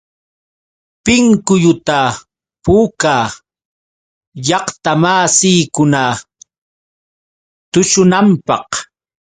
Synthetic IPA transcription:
pɪŋkʊjʊt̪a | pukaː | jɑχt̪amaːsiːkʊna | t̪ʊʃʊnampɑq

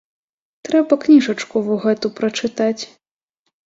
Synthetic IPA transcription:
t̪ɾɛbɐknʲiʐɐt͡ʂkuvuɣɛt̪upɾɐt͡ʂɨt̪at͡sʲ

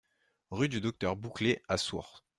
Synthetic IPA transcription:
ʁyd̪yd̪ɔk̚t̪œʁbukleasṵʁ

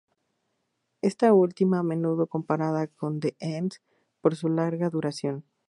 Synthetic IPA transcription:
e̞st̪ault̪imaːme̞nuð̞o̞ko̞mpaɾaðako̞nd̪eʔans | po̞ɾs̬ulaɾɣaðuɾasjo̞n

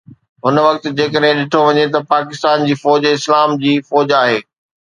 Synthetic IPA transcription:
ɦʊnʋɐk̚t̪ɪ̆d͡ʑeːkəɗɦɪ̃ɗɪʈʰoʋɐɲet̪ɐpaːkɪst̪aːnd͡ʑiːfɔːd͡ʑɪslaːmd͡ʑiːfɔːd͡ʑaːɦeː

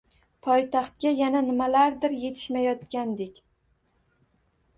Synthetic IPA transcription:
pʰɒjt̪ʰaχt̪̚kʲajananɪmalaɾd̪ɪɾje̞t̪ʰɪ̥ʃmajɒt̪kʲand̪ekʲ

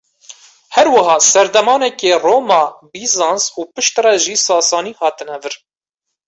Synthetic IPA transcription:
hɛɾwɨɦɑːsɛɾd̪ɛmɑːnɛkeːroːmɑːbiːzɑːnsuːpɨʃt̪rɛʒiːsɑːsɑːniːhɑːt̪ɨnɛvɨɾ

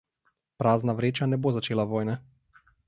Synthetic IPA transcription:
pɾaːznaʋɾeːt͡ʃanɛbozat͡ʃeːlaʋoːjnɛ

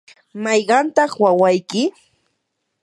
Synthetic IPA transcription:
mɑjɢɑnt̪ɑχwawajkɪ

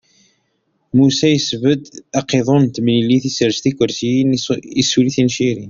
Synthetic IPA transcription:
musæjəsvəd̪ɑqeðˤont̪məlilːiθisəɾst̪ikːəɾsijnisuliθinʃiɾi

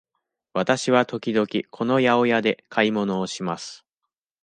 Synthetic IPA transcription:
βat̪aɕiβ̞at̪o̞kʲid̪o̞kʲikʰo̞no̞jao̞jad̪e̞kʰaimo̞no̞ːɕimasɨ̥

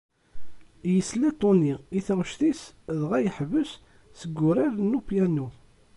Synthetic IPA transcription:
jəslæt̪ˤːoniiθæwʃθisðʁæjəħvəs | səɡːʊɾæɾnːupjænu

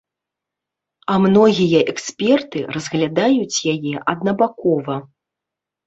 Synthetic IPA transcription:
ɐmnɔɣʲijɐʔɛksʲpʲɛrt̪ɨrɐzɣlʲad̪ajut͡sʲjajɛʔɐd̪̚nɐbakɔvɐ

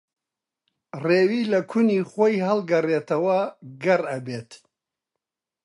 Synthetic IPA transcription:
reːwiːlɐkʰuniχojɦɐlˠɡɐret̪ɐwɐɡɐrɐbeːt̪

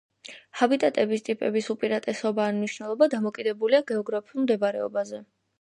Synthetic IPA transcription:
habit̪ʼat̪ʼɛbist̪ʼipʼɛbisupʼiɾat̪ʼɛsɔbaːmniʃnɛlˠɔbad̪amɔkʼid̪ɛbuliaɡɛɔɡɾapʰulˠmd̪ɛbaɾɛ̰ɔ̰bazɛ

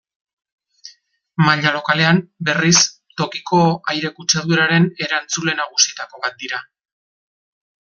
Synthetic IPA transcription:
maʎalo̞kale̞ambe̞ris | t̪o̞kiko̞ajɾe̞kut͡seðuɾaɾe̞ne̞ɾant͡sule̞naɣusiet̪ako̞β̞at̪̚d̪iɾa

